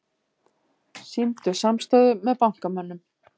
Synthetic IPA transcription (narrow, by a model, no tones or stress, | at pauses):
simt̪ʏsamst̪œːðʏmɛðpawŋ̥kamœnːʏm